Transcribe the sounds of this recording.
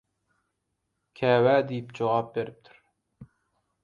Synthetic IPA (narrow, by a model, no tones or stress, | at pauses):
kʲʰɛwæd̪ejipd͡ʒowɑp̚beɾɪp̚t̪ʰyɾ